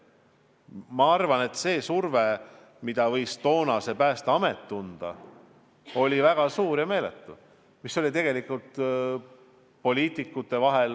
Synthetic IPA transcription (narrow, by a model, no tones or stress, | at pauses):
mɑɑrvɑne̞t̪se̞ːsurve | mid̪̥ɑvɤjst̪o̞ːnɑse̞pæːst̪ɑɑmet̪ːund̪̥ɑ̰ | o̞lʲivæɡ̥ɑsuːɾjɑme̞ːlet̪ːˑu | miso̞lʲit̪e̞ɡ̥e̞likːˑult̪ | po̞lʲiːt̪ˑikːˑut̪ːˑe̞vɑɦel